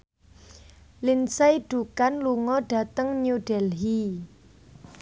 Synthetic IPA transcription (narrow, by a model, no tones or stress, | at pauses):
linsajɖ̥ukanluŋɔɖ̥ä̤t̪əŋnuɖ̥ɛlɦi